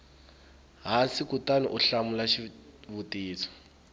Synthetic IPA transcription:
ɦasikutanḭʔuɬamulaʃiβutiːt͡sʰɔ̥

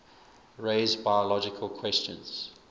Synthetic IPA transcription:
ɹeɪzbaɪəlɔd͡ʒɪkʰəlˠkʰw̥ɛst͡ʃə̰̃nz̥

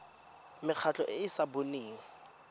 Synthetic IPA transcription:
mɪk͡xʰat͡ɬɔʔɪːsaboneːŋ̩

